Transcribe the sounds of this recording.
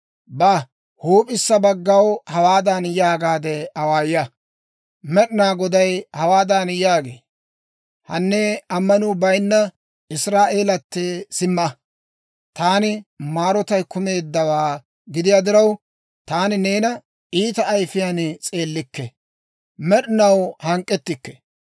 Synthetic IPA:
bɐ | huːpʼɪsːɐbɐɡːɐwhɐwaːd̪ɐnjaːɡaːd̪ɛɐwaːjjɐ | mɛɗɪnaːɡɔd̪ɐjhɐwaːd̪anjaːɡeː | hɐnːeɐmːɐnʊːbɐjnːɐ | ɪsɾaːʔeːlɐt̪ːɛsɪmːɐ | t̪aːnɪmaːɾɔt̪ɐjkʊme̞ːd̪ːɐwaː | ɡɪd̪ɪjaːd̪ɪɾɐw | t̪aːnɪne̞ːnɐ | iːt̪ɐːjfɪjant͡sʼe̞ːlːɪkːɛ | mɛɗɪnɐwhɐŋkʼːɛt̪ːɪkːɛ̥

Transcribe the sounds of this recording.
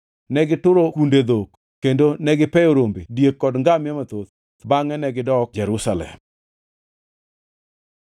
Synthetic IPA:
nɛɡɪtʊɾokunded̪ok | kːendonɛɡɪpɛoɾombedjekːɔdŋɡamjamat̪ot̪ | t̪baŋɛnɛɡɪdɔk̚d͡ʒɛɾʊsalɛ̰m

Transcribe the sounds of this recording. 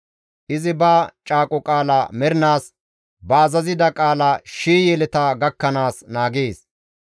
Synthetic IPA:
ʔɪzɪbaːt͡ʃʼaːkʼɔkʼaːlɐmɛɾɪnaːs | bɐːzɐzɪd̪ɐkʼaːlɐʃiːjɛlɛt̪ɐɡɐkːɐnaːsnaːɡeːs

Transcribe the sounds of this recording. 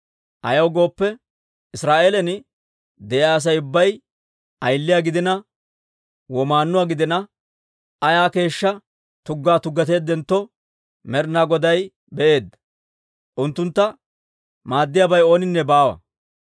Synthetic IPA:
ʔɐ̰jɐwɡo̞ːpːɛ | ɪsɾaːʔeːlɛn | d̪ɛʔjaːs̬ɐjʊbːɐj | ʔɐjlːɪjaːɡɪd̪ɪnɐ | wɔmaːnːʊwaːɡɪd̪ɪnɐ | ʔɐjaːke̞ːʃːɐ | t̪ʊɡːaːt̪ʊɡːɐt̪e̞ːd̪ːɛnt̪ːɔ | mɛɾnaːɡɔd̪ɐj | bɛʔe̞ːd̪ːɐ̥ | ʔʊnt̪ːʊnt̪ːɐ | maːd̪ːɪjaːbɐjo̞ːnɪnːɛbaːwɐ̰

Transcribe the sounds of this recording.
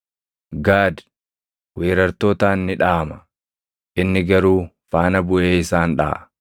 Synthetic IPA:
ɡaːd̪ | weːɾɐɾt̪oːt̪aːnːɪᶑaːmɐ | ʔɪnːɪɡɐɾuː | faːnɐbʊʔeːɪsaːnᶑa̰ː

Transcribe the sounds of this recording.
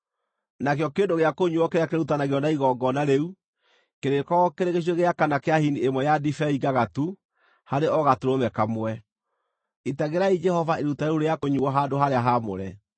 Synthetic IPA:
nakjɔkeːndoɣeakoɲuɔkeɾeakeɾeutanaɣeɔnaiɣɔːɡɔnaɾeu | keɾekɔkeɾeɣeɕ̬weɣeakanakeahiniemwɛjadifɛiɡaɣatu | haɾeɔɣatuɾomɛkamwɛ | itaɣeɾaid͡ʒɛhɔvaeɾutaeɾuɾejakoɲuwɔɦaːndoɦaɾeaɦamo̰ɾɛ

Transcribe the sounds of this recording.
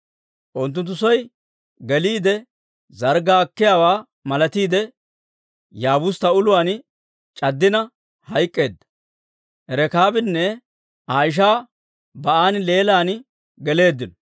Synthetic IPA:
ʔʊnt̪ːʊnt̪ːʊsɔj | ɡɛliːd̪ɛ | zɐɾɡaːkːɪjaːwaː | mɐlɐt̪iːd̪ɛ | jaːbʊst̪ɐʊlʊwaːn | t͡ʃʼɐd̪ːɪnɐ | hɐjkʼːe̞ːd̪ːɐ̥ | ʔɛɾɛkaːbɪnːɛ | ʔaːjɪʃ̬aː | bɐʔaːnle̞ːlaːn | ɡɛle̞ːd̪ːɪnɔ

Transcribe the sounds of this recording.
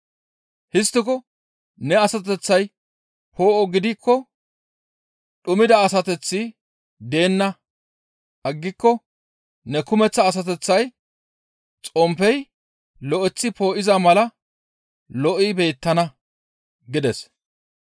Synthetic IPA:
hɪst̪ːɪkɔ | nɛɐsɐt̪̬ɛt͡sːɐj | pʰo̞ːʔɔɡɪd̪ɪkʰːɔ | ɗʊmɪd̪ɐːsɐt̪ɛt͡sːɪ | d̪e̞ːnːɐ | ʔɐɡːɪkːɔ | nɛkʊmɛt͡sːɐːs̬ɐt̪ɛt͡sːɐj | t͡sʼɔmpɛj | lɔʔɛt͡sːɪpo̞ːʔɪzɐmɐlɐ | lɔʔɪbe̞ːt̪ːɐnɐ | ɡɪd̪ɛs

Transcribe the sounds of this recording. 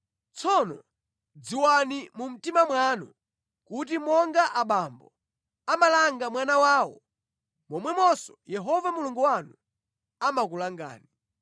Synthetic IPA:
t͡sʰɔnɔ | d͡ziwanimum̩timamwanṵ | kut̬imɔŋɡaʔaɓambɔ | amalaŋɡamwanawaːwɔ̰ | mɔmwɛmɔsɔjɛɦɔvamuluŋɡuwanu | amakulaŋɡa̰ːni

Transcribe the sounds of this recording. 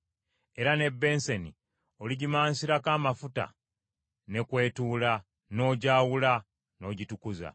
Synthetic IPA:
e̞ɾane̞bːe̞ːnsenḭ | oliɟimaːnsiɾakaːmafuta̰ | ne̞kwe̞ːtuːla | no̞ːɟaːwula | no̞ːɟitukuza̰

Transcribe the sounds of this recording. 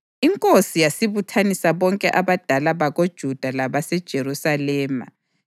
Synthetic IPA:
iŋkʼosijasiβutʰanisaβɔŋkʼɛʔaβad̥ʱalaβaɣod̥ʒ̥ʱud̥ʱalaβasɛd̥ʒ̥ʱerusalɛːma̰

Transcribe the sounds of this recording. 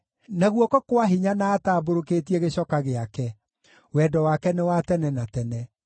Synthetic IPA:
naɣwɔkɔkwaɦiɲanaːtaːboɾokeːtiɛɣeɕɔkaɣeakɛ | wɛdɔwakɛnewatɛnɛnatɛnɛ

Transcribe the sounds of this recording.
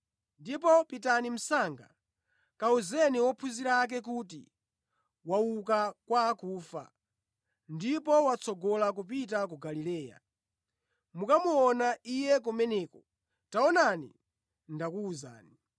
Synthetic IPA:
ndip̬ɔpitanim̩saŋɡa̰ | kauzɛniwɔpʰuziɾak̬ɛk̬utḭ | wauk̬akwaːkuːfa̰ | ndipɔwat͡sʰɔɡɔlak̬up̬itak̬uɡalilɛːja̰ | mukamuɔnaijɛk̬umɛnɛːkɔ | taɔnanḭ | ndakuːza̰ːni

